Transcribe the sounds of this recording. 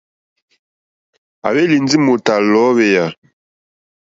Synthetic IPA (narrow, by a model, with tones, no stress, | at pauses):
a̰˨βe˦li˨n˦d͡zi˦mo˨ta˨lɔ˨˦βɛ˦ja˨